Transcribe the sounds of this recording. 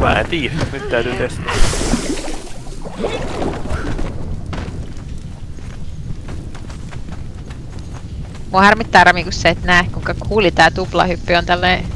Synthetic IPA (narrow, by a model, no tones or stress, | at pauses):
mæ̰ːḛnt̪iːnyt̪t̪æyt̪yːt̪est̪æ | mohɑrmit̪ːæːɾɑmikusːeit̪næːhkuiŋkɑkʰuːlit̪æːt̪uplɑ̰hypːyont̪ælːeː